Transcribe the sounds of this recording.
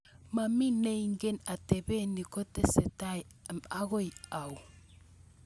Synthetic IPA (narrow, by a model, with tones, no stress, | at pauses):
ma˨mi˦ne˦iŋɡe˦na˨tebe˦ni˨ko˦tese˨taj | maɣo˦ja˨w